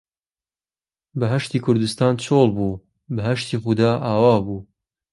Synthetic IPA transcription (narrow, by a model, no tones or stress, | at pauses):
bɐɦɐʃt̪iːkʰʊɾd̪ɨst̪ɑːnt͡ʃʰolˠbuː | bɐɦɐʃt̪iːχud̪aːʔaːwɑːbuː